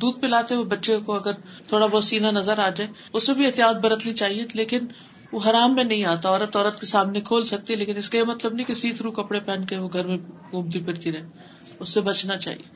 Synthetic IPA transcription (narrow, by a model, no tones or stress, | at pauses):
d̪uːd̪̚pelaːt̪eɦɛobɐtːʃekoɐɡəɾt̪ʰoːɽabɔːt̪siːnanɐzəɾaːd͡ʒaːe | ʊsːebʱiɪt̪ijaːt̪̚bɐɾət̪nit͡ʃaːɦieleːkɪn | ʋoɦɐɾaːmːẽnɐɦĩaːt̪aɔːɾət̪ɔːɾət̪kesaːmnekʰoːlsɐk̚t̪iɦɛleːkɪnɪskajemɐt̪ləbnɐɦĩkesiːt̪ʰɾukɐpɽepɛ̃ːnkeʋoɡʱɐɾmẽɡũːmt̪̬ipɪɾt̪iɾɛɦe | ʊsːebɐt͡ʃʰnat͡ʃa̰ːɦḭeː